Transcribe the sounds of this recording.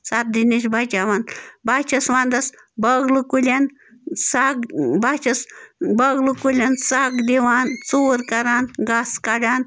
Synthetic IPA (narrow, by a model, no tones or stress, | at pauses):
sat̪̚d̪inesbat͡ʃaʋanbat͡ʃʰɐsʋand̪ɐs | bɐɡlukulʲan | saɡbat͡ʃɐsbəɡlukulʲansaɡd̪eʋaːnt͡soːɾkɐɾaːnɡaskaɖaːn